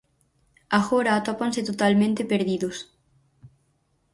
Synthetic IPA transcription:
aɣoɾaːt̪opanset̪ot̪almẽnt̪epeɾðiðos

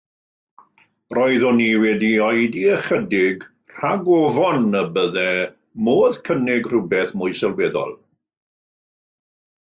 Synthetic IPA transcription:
rɔɨðɔniwɛdiɔjdiəχədɪɡ | r̥aɡɔvɔnːəbəðɛ | moːðkʰənɪɡr̥ʊbɛθmʊjsɛlˠwɛːðɔ̰lˠ

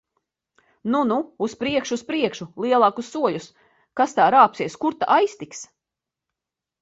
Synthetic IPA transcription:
nunuuspɾiɛkʃuːspɾiɛkʃulˠiɛlˠɑːkusːuɔʎʲus | kast̪aːɾaːpsiɛskuɾt̪a̰ʔajst̪iks

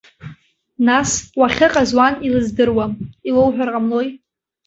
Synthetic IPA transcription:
naswaχʲɪqʼazwanilɨzdɨrwamilowħʷᶣarqʼamlo̞j

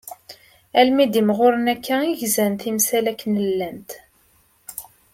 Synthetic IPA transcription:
ælmid̪imʁʊɾənækʰːæiʝzænt̪imsælækːnəlːænt̪

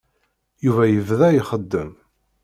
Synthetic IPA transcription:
juvæjəvðæjiχəd̪ːəm

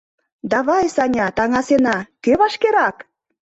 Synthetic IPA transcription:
d̪ɑβɑjsɑnʲɑt̪ɑŋɑsenɑkeβɑʃkeɾɑk

